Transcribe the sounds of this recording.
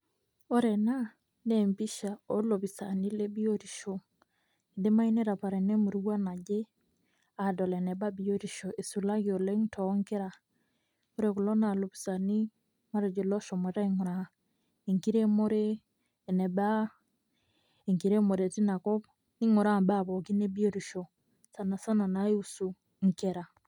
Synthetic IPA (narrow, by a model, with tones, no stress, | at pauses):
o˦ɾɛ˨na˦ | ne˨mbi˦ʃa˨ɔ˦lo˨βi˨sa̰˨ni˦le˦bi˦o˦ɾi˨ʃo˨ | i˨de˦ma˦i˦ne˦ɾa˨pa˨ɾe˨ne˦mu˨ɾi˦wa˦na˨ɟe˦ | a˨dɔ˨lɛ˨nɛ˨ba˦bi˦o˦ɾi˨ʃo˨ʔe˨su˨la˦ɣio˨le˦ŋtʰɔ˦ŋke˦ɾa˨ | o˦ɾe˨ku˨lɔ˦na˨lo˨βi˨sa˨ni˦ | ma˦ɾe˨d͡ʒe˨lɔ˦ʃɔ˨mɔ˨ɾa˦i˦ŋʊ˨ɾa˨ | e˨ŋki˦ɾe˦mo˦ɾeː˦˨ | nɛ˨ba˦ | e˨ŋki˨ɾe˦mo˨ɾe˨ti˦na˨kɔ˦p | i˦ŋo˨ɾa˦˨mba˦˨bɔ˨ki˦ne˦bi˦o˦ɾi˨ʃo˨ | sa˨na˨sa˦na˨na˨˦e˦u˦su˨ | ŋke˨ɾa˨